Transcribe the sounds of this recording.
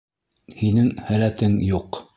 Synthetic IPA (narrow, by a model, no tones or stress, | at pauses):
hinɘŋhælæt̪ɘŋjuq